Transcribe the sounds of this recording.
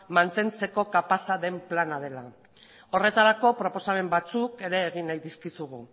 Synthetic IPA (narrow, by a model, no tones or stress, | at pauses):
mant̪e̞nt͡se̞ko̞kapasaðe̞mplanað̞e̞la | o̞re̞t̪aɾako̞pɾo̞po̞same̞mbat͡suke̞ɾe̞ːɣ̞inajðiskisuɣ̞u